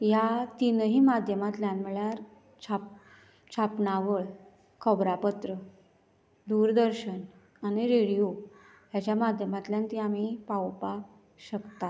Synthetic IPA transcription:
jat̪inəɦiːmad̪ʱjəmat̪ljanm̤əɭjaɾ | t͡ɕʰap | t͡ɕʰapɳaʋəɭ | kʰəbɾapət̪ɾə | d̪uɾd̪əɾɕən | aɽ̃iɾeɽijo | ɦjat͡ɕjamad̪ʱjəmat̪ljãnt̪iam̤ipawpa | ɕəkt̪a

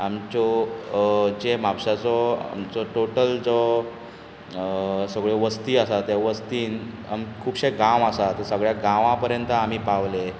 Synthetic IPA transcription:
amt͡ɕɔ | d͡ʑemawɕat͡sɔa̰mt͡sɔʈoʈəld͡zɔ | səɡɭeʋəst̪iːasat̪jaʋəst̪iːn | a̰mkʰuːpɕeɡãʋasat̪əsəɡɭjaɡãʋãpəɾjənt̪əam̤iːpaʋle

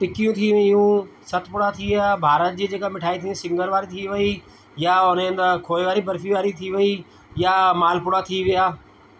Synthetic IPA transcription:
ʈɪkijũt̪ʰiʋĩɪjũsɐt̪ʰpʊɽat̪ʰiʋɪaːbʱaːɾət̪̚d͡ʑiːd͡ʑeːkamɪʈʰaːit̪ʰĩsɪ̃ŋɡəɾʋaːɾit̪ʰiʋɐi | jaʊnɪ̃nd̪kʰoːeʋaːɾibɐɾfiʋaːɾit̪ʰiʋɐi | jamaːlpʊɽat̪ʰiʋɪjaː

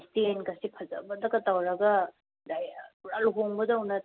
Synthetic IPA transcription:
stienkɐsipʰɐzɐ̰bɐdɐkɐtawɾɐɡɐ | dajuɾaluɦoŋbɐdɐwnɐ

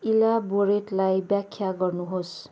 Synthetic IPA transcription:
ilaboɾeʈlajbjakʰjaɡʌrnuɦos

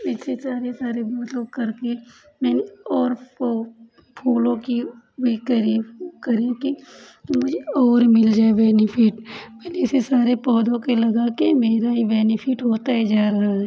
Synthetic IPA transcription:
ɪsesaːɾesaːɾeboːt̪lobkɐɾke | mɛːneɔːɾ | pʰuːlõki | ʋikɐɾikɐɾẽkimʊd͡ʒʱeɔːɾmɪld͡ʒaːebɛːnɪpʰɪʈmɛːneɪsesaːɾepɔːd̪õkelɐɡakemeːɾaɦibɛːnɪpʰɪʈɦoːt̪aɦɛd͡ʒaːɾɐɦaɦɛː

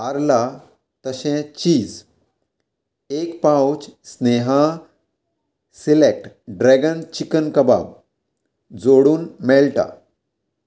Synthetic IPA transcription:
aɾla | t̪əɕɛ̃t͡ɕiːd͡z | ekpãwt͡ɕsneɦã | silek̚ʈ | ɖɾɛɡənt͡ɕikənkəba̰b | d͡zoɽuːnmɛlʈa̰

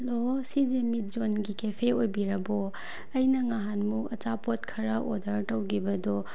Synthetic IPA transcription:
ɐlosid͡ʒemit̚zonɡikepʰeojbiɾɐbɔ | ɐjnɐŋaɦanmuɐt͡ʃapot̚kʰɐɾɐʔodɐɾtɐwɡibɐdɔ

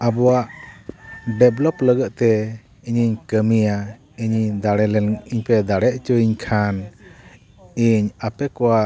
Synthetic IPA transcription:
abɔwaʔ | ɖɛblɔpləɡət̪̚t̪ɛ | iɲiɲkəmija | iɲid̪aɽɛlɛiɲpɛd̪aɽɛʔ̚t͡ʃɔiɲkʰan | iɲapɛkɔwa

